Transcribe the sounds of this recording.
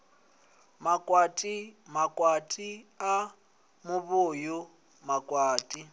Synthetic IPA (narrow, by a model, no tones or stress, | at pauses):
makʼwatʼimakʼwatʼia | mʊβʊːjʊ | makʼwaːtʼi